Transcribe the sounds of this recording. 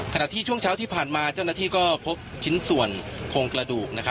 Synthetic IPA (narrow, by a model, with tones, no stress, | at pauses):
kʰa˧na˨˩t̪ʰiː˥˩t͡ɕʰu˥˩əŋt͡ɕʰaː˦˥wt̪ʰiː˥˩pʰaː˨˩nmaː˧t͡ɕa˥˩naː˥˩t̪ʰiː˥˩kɔː˥˩pʰo˦˥p̚t͡ɕʰi˦˥nsu˨˩ənkʰoː˧ŋkɾa˧duː˨˩k̚na˦˥kʰa˦˥